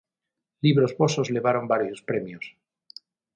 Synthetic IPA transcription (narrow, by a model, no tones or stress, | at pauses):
liβɾozβo̞sozle̞β̞aɾo̞mbaɾjospɾe̞mjos